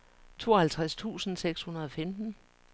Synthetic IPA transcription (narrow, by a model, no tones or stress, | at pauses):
t͡sʰo̝̰ːɐhælt͡sʰʁast͡sʰṵːsn̩seɡ̥shunɐð̞ˠɒ̽femd̥n̩